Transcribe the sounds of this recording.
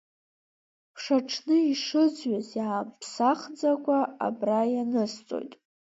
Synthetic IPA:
pʰʂaʈ͡ʂʰnɨiʂɨd͡zɥazjaːmpʰsaχd͡zakʷʼaa̰brajanɨst͡sʼo̞̰jtʼ

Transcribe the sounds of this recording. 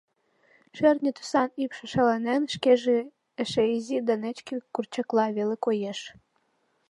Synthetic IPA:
ʃernʲet̪u̥sɑnipʃĕʃɑlenenʃkeʒe | eʃeizʲid̪ɑnet͡ɕkekurt͡ɕɑklɑβelekojeʃ

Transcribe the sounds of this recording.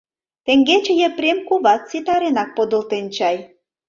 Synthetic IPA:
t̪ĕŋɡet͡ɕĕjeprʲemkuβɑt̪t͡sit̪ɑɾenɑk̚pod̪ə̆lt̪ent͡ɕɑj

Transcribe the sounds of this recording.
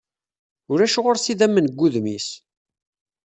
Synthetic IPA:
ʊɾæʃʁoɾsiðæmːənəɡʷːuðmis

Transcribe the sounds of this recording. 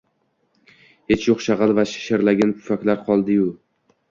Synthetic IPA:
het͡ʃjoqʃɑʁɑlˠvaʃɪ̥ʃaɾlaɡʲankʰʊ̥fakʲlaɾqʰɒlˠd̪ɪjʊ

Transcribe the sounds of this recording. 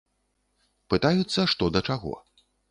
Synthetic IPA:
pɨt̪ajut̪sːɐʂt̪ɔd̪ɐt͡ʂaɣɔ̰

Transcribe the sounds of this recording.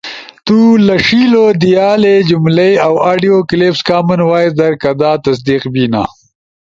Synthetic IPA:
t̪ulɐʂilod̪ijaːled͡ʒumlejawaːɖijoklepskaːmɐnwaːjd̪ɐɾkɐd̪aːt̪ɐsd̪iqbina̰

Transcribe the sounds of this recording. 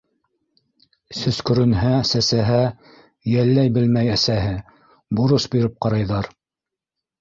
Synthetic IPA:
sɵ̆skɵ̆ɾɵ̆nɦæsæsæɦæ | jælːæjbɘlmæjæsæɦɘ | boɾosbiɾɘp̚qɑɾɑjðɑɾ

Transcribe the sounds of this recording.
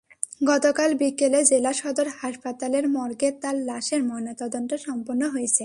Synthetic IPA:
ɡɔt̪okalbikeled͡ʑelaʃɔd̪oɾhaʃpat̪aleɾmɔɾɡet̪allaʃeɾmɔnot̪ɔd̪ont̪eʃɔmponːoɦojet͡ɕʰe

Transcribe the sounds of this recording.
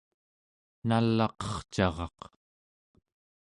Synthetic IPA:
nalːɑqʌ̥χt͡ʃɑʁɑ̰q

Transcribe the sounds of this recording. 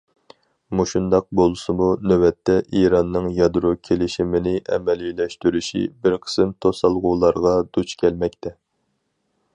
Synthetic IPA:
muʃund̪ɑq̚bolˠɨsɨmunøwɛt̪ʰːɛʔiɾɑnːɨŋjɑd̪ɾukʲʰelɪʃimɪnɪʔɛ̰mɛlilɛʃt̪yɾyʃḭbɪɾqʰə̥sɨmt̪ʰosɑlˠʁʊːlˠɑɾʁɑd̪ut͡ʃkʲʰɛlmɛkʲt̪ʰɛ

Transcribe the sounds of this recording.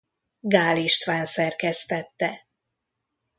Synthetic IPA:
ɡaːliʃt̪ʋaːnsɛrkɛst̪ɛt̪ːɛ

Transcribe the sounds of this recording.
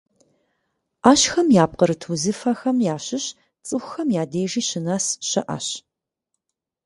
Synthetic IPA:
aːɕxɐmjaːp̚qəɾɨtʰuzɨfɐxɐmjaːɕɪɕ | t͡sʼɨxʷʊxɐmjaːdeːʒiːɕɪnasɕɐʔɐ̰ɕ

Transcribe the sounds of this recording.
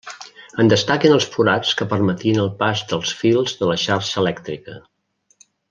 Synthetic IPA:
ənd̪əst̪akinəlˠsfuɾat͡skəpərmət̪iənəlˠpazðəlˠsfilˠzðələʃaɾʃəːlɛkt̪ɾikə

